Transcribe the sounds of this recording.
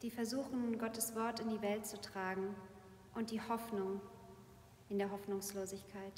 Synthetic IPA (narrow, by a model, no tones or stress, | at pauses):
d̥iːfɛɐzuːxn̩nɡɔtəsv̥ɔɐtɪndiːvɛlt̚t͡sutʁ̥aːɡŋ̩ | ʔʊnt̚d̥iːhɔfnʊŋ | ʔɪndeːɐɦɔfnʊŋsloːzɪçkʰaɪt